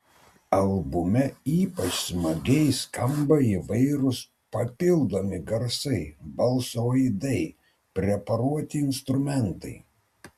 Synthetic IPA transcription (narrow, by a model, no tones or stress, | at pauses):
ɐlˠbʊmʲɛiːpɐt͡ʃsmɐɡʲɛɪskɐmbɐiʋɐɪɾʊs | pɐpʲɪlˠd̪oːmʲɪɡɐɾsɐɪbɐlˠsoːjd̪ɐɪ | pʲɾʲɛpɐɾuɔt̪ʲɪɪnst̪ɾʊmʲɛnt̪ɐɪ